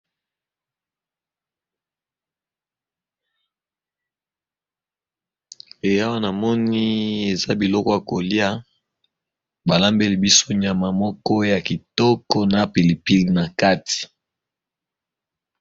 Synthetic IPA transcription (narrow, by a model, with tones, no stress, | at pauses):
e˨ja˦wa˦na˨mɔ˦ni˦e˨za˦bi˨lɔ˦kɔ˦ja˨ko˨li˦a˦ | ba˨la˦mbe˦li˨bi˦so˦ɲa˨ma˨mɔ˦kɔ˦ja˨ki˨tɔ˦kɔ˦na˨pi˨li˨pi˦li˨na˨ka˦ti̥˨